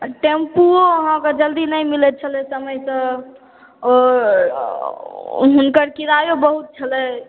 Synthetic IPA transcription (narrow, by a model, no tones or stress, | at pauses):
ʈempuoəɦãked͡ʒəld̪inəjmilɛt̪̚t͡ʃʰəlɛsəməjsə̃ | ɔɾ | ɦunkəɾkiɾajobəɦut̪̚t͡ʃʰəlɛ